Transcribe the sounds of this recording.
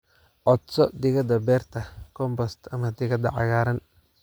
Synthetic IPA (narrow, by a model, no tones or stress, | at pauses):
ʔɔd̪sɔd̪ɪɣɐd̪ɐbɛːrt̪ʰɐkʰɔmbɔst̪ʰɐmɐd̪ɪɣɐd̪ɐ̰ʕɑ̰ɣaːɾɐn